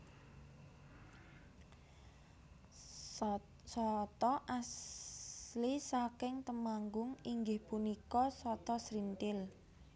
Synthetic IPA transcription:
sɔt̪ɔʔas | lisakɪŋt̪əmaŋɡʊŋiŋɡɪhpunikɔsɔt̪ɔsɾint̪ɪl

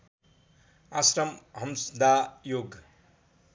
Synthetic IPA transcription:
asɾʌmɦʌmsd̪ajoɡ

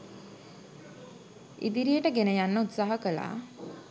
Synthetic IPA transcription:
ḭd̪iɾijəʈəɡenəjanːəut̪saːɦəkəla̰ː

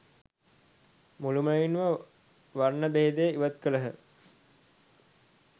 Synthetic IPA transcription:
muluməjinʋə | ʋarnəbeɦed̪eːiʋət̪̚kələɦə

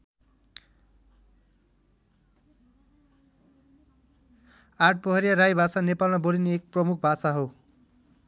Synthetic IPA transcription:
aʈ̚pʌɦʌɾjaɾajbʱasanepalmabolineek̚prʌmuk̚ʰbʱasaɦo

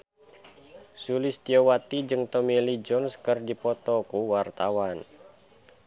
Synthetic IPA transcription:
sulist̪iowat̪id͡ʒɨŋt̪ɔmilid͡ʒɔnskɨrdipɔt̪ɔkuwart̪awan

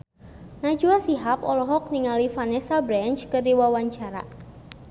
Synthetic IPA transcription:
nḁd͡ʒuasiɦapɔlɔɦɔk̚niŋalifanɛsabɾɛnt͡ʃkərdiwawaɲt͡ʃaɾa̰

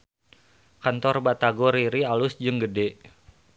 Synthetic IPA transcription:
kant̪ɔrbat̪aɡɔɾiɾialʊsd͡ʒɨŋɡədɛ

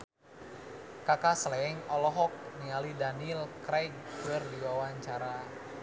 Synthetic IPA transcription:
kakasəlɛɛŋɔlɔɦɔk̚nialidanilkɾajɡkərdiwawaɲt͡ʃaɾa

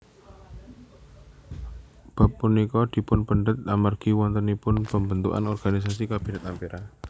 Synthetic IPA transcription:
b̥a̤pːunikɔd̪̥i̤pʊnpəɳɖət̪̚amarɡ̥i̤wɔnt̪ənipʊnpəmbənt̪ṵʔa̰nɔrɡ̥anis̬asikab̥i̤nat̪ampiɾa

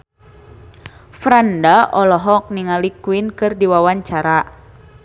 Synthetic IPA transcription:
fɾandaʔɔlɔɦɔk̚niŋalikwinkɨrdiwawaɲt͡ʃaɾa

